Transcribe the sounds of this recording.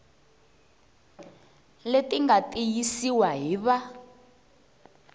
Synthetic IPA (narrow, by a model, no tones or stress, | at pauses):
letiŋɡatʼijisiwaɦiːβa